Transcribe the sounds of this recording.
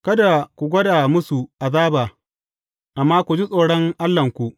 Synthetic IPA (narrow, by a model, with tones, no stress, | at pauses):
kɐ˦da˨kʷu˨ɡʷɐ˦da˨mʊ˦su˨ʔa˨zaː˦baː˨ | ʔa˨mːaː˦kʷu˨d͡ʒi˦sʼoː˨ɽɔ˦ŋʔa˦lːɐ˨ŋkʷu˨ʔ